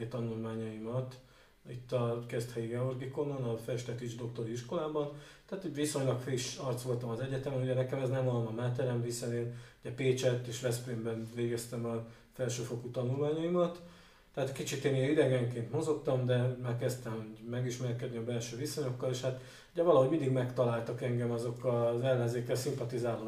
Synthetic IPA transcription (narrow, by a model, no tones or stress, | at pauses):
t̪ɒnulmaːɲɒimɒt̪ | it̪ːɒkɛst̪hɛiɡɛorɡiko̞nonɒfɛʃt̪ɛkiʒd̪o̞k̚t̪o̞ɾiiʃko̞laːbɒnt̪ɛaːt̪iɟʋiso̞ɲlɒkfiiʃɒrt̪sʋo̞lt̪ɒmɒzɛɟɛt̪ɛmɛnuɟɛnɛkɛmɛznɛmɒlomɒmaːt̪ːɛɾɛɱvisɛneːnuɟɛpeːt͡ʃɛt̪ːeːʃʋɛspeːmbɛnveːɡɛst̪ɛmɒ | fɛlʃøːfo̞kut̪ɒnulmaːɲɒimɒt̪ː | ɛaːt̪kit͡ʃit̪eːneid̪ɛɡɛŋkeːnt̪mo̞zo̞kt̪ɒmd̪ɛmaːrkɛst̪ɛmuɟmɛɡiʃmɛrkɛd̪niɒbɛlʃøːviso̞ɲo̞kːɒleːʃhat̪ | uɟɛvɒlɒɦomind̪iɡmɛkt̪ɒlaːlt̪ɒkɛŋɡɛmɒzo̞kːɒzɛlːɛnzeːkːɛlsimpɒt̪izaːlo